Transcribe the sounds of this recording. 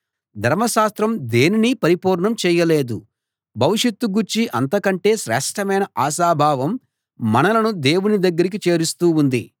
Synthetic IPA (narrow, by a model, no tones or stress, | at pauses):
d̪ʱɐɾmɐʃaːst̪ɾɐmd̪e̞ːninipɐɾipuːɾɳɐmt͡ʃɛːjɐle̞ːd̪u | bʱɐʋiʂjɐt̪ːuɡuɾt͡ʃiʔɐ̰nt̪ɐkɐɳʈe̞ːʃɾɛːʂʈʰɐmɐjnɐʔaːʃaːbʱaːʋɐmː | ɐnɐlɐnud̪e̞ːwunid̪ɐɡːɐɾik̬it͡ʃe̞ːɾist̪uːund̪ḭ